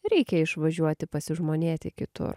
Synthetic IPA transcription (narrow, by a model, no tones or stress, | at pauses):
ɾʲɛɪkʲɛɪʃʋɐʒʲuɔt̪ʲɪpɐsʲɪʒmoːnʲeːt̪ʲɪkʲɪt̪ʊ̰ɾ